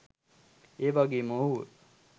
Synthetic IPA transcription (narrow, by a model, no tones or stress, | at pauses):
eːʋaɡeːmoɦu